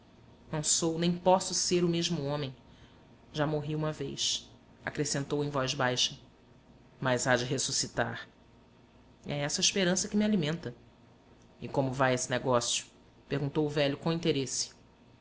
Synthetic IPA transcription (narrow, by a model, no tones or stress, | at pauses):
nɐ̃w̃sownẽj̃pɔsʊseɾʊmeʒmʊõmẽj̃ | ʒamoɦiũmɐvejs | a̰kɾesẽnt̪owẽj̃vɔjzbajʃɐ | mɐjzad͡ʒɪɦesusit̪a̰χ | ɛ̰ɛsɐiʃpeɾɐ̃sɐkɪmialimẽnt̪ɐ | ɪkõmʊvajesɪneɡɔsjʊ̥ | pehɡũt̪owʊvɛʎʊkõĩnt̪eɾesɪ̥